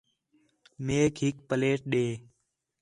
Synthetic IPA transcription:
meːkɦɪk̚pəleːʈ̚ɗeː

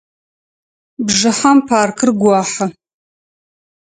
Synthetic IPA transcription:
bʐɨħampʰaːrkʰɨrɡʷaːħa

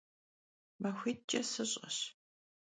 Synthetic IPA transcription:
mɐxʷiːt͡ʃʼɐsɨɕʼɐ̰ɕ

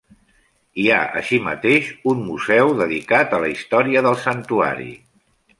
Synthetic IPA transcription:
iaʔə̰ʃimə̰t̪eʃunmuzɛwðəðikat̪ələist̪ɔɾiəðəlˠsənt̪ua̰ɾḭ

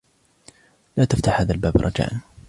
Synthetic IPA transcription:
laːt̪aft̪aħhaːðalbaːbɾˤɑd͡ʒa̰ːʔn

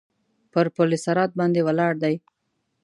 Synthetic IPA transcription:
pəɾpolesaɾɑt̪̚bɑnd̪ewalɑɽd̪aj

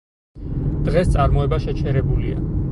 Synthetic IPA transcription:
d̪̥ʁɛst̪sʼaɾmɔɛbaʃɛt͡ʃʰɛɾɛbulḭa̰

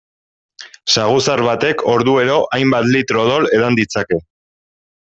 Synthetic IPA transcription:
saɣ̞usaɾβat̪e̞kʰo̞ɾðue̞ɾo̞ʔajmbat̪lit̪ɾo̞ð̞o̞le̞ðand̪it͡sake̞

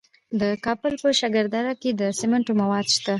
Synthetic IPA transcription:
d̪əkɑbəlpəʃaɡəɾd̪aɾaked̪əsɪmaɳʈomawɑd̪ʃt̪a

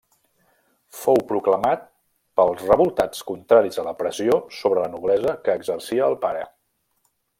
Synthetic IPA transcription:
fowpɾukləmat̪̚ | pəlˠzrəβulˠt̪at͡skunt̪ɾaɾizələpɾəziosoβɾələnuβlɛzəkəːɡzərsiəːlˠpaɾə̰

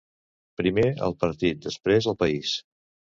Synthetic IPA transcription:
pɾimeə̰lˠpəɾt̪it̪̚d̪əspɾezəlˠpəis

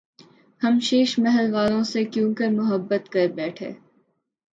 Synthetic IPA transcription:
hɐmʃeːʃmɛɦɛlʋaːlõsekjũːkɐɾmʊɦəbːət̪kɐɾbɛːʈʰḛː

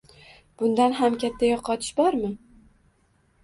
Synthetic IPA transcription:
b̥ʊnd̪anɦamkʲʰat̪ʰːajɒqʰːɒt̪ʰɪ̥ʃbɒɾmɪ

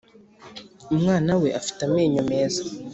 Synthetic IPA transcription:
umŋaːnaweʔafi̥tameːɲomeːzḁ

